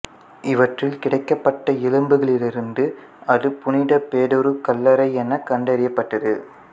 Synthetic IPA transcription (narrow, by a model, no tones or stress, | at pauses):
ɪʋɐʈrɪlkɪɽɐɪkːɐpːɐʈːɐɪlɯmbɯɣɐɭɪlɪɾɯnd̪ɯ | ɐðɯpʊnɪɽɐpeːɽɔɾɯkɐlːɐɾɐɪɛnːɐkɐɳɖɐɾɪjɐpːɐʈːɐðɯ̰